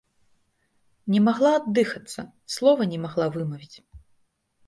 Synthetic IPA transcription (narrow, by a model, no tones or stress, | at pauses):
nʲɛmaɣlˠaːd̪ːɨxɐt̪sːɐ̰ | slˠɔvɐnʲɛmaɣlˠavɨmɐvʲit͡sʲ